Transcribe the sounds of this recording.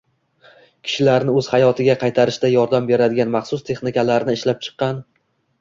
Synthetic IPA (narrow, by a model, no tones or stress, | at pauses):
kʲʰɪ̥ʃɪlaɾnɪɵz̥hajɒt̪ʰɪɡʲaqʰɑjt̪ʰaɾɪʃd̪ajɒɾd̪ambe̞ɾad̪ɪɡʲanmɑχsʊst̪ʰe̞χnɪkʲalaɾnɪːʃlap̚t͡ʃʰɨ̥qːɑn